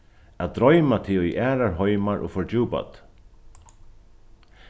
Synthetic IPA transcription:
ad̪ɾɔʏmat̪ʰɪʊjʔæːɾaɹɦɔʏmaɹʔʊ̰ːfɔɹd͡ʒuːpa̰t̪

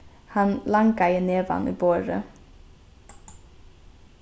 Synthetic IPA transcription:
hɑnlɑŋɡɑɪəneːʋɑ̰ːnʔḭːboːɾə̰

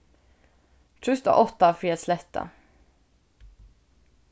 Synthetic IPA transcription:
t̪ʰɾɵst̪a̰ʔɔt̪ːafɾeːat̪slɛt̪ʰːa̰

